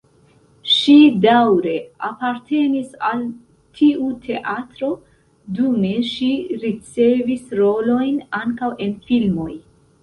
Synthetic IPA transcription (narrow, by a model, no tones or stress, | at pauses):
ʃidawɾe̞apaɾte̞nisal | tʰiutʰe̞ʔatɾo̞ | dume̞ʃiɾit͡se̞visɾo̞lo̞jnaŋkawʔe̞nfilmo̞j